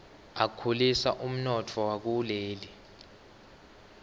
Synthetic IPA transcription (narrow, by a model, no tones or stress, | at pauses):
akʰulisa̰ʔum̩nɔtʰɔwak̬uleːli